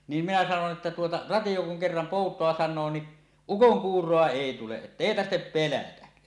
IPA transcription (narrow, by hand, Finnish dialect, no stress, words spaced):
niːm minæ sɑnon ʔetːæ tuotɑ rɑtij̆o kuŋ kerːɑm poˑutˑoɑ sɑnˑoː ni ukoŋkuːrˑoɑ eˑi tuleʔ ʔetːeˑi tɑrhtep pelætæ